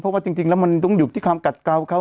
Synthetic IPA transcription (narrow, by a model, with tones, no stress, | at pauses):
pʰɔ˦˥waː˧˩t͡ɕi˧ŋt͡ɕi˧ŋlɛ˦˥wma˧nt̪ɔ˧˥˩ŋjuː˨˩t̪ʰiː˥˩kʰaː˧mka˨˩t̪̚ka˧wkʰa˦˥